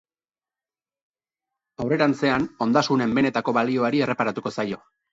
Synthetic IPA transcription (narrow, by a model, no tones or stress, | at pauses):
awre̞ɾant͡se̞ano̞nd̪asune̞mbe̞ne̞t̪ako̞βalio̞aɾie̞re̞paɾat̪uko̞sajo̞